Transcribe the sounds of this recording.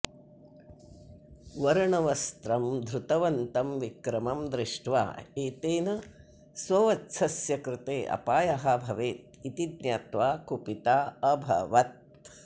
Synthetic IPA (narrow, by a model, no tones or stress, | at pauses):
ʋɐɾɳɐʋɐst̪ɾɐmd̪ʱɾut̪ɐʋɐnt̪ɐmʋikɾɐmɐmd̪ɾɪʂʈʋa̰ːeːt̪eːnɐ | sʋɐʋɐtsʰɐsjɐkɾɪt̪eːʔɐ̰paːjɐɦɐbʱɐʋeːt̪̚ | it̪id̪njaːt̪ʋaːkupit̪aːɐbʱɐ̰ʋɐt̪̚